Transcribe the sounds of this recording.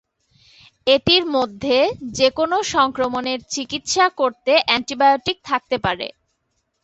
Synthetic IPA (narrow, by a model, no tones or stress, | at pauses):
et̪iɾmod̪ʱːed͡ʑekonoʃɔŋkɾomoneɾt͡ɕikit̪ʃakoɾt̪eʔɛɳʈibajoʈik̚t̪ʰak̚t̪epaɾḛ